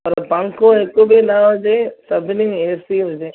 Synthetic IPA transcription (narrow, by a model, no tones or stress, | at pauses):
pɐɾpɐ̃ŋkõekobʱinaːʋd͡ʒesɐbʱɪnieːsiɦʊd͡ʒeː